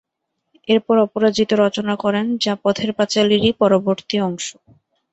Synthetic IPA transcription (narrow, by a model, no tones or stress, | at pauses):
eɾpɔɾɔpoɾad͡ʑit̪oɾɔt͡ɕonakɔɾend͡ʑapɔt̪ʰeɾpat͡ɕaliɾipɔɾoboɾt̪iɔŋʃo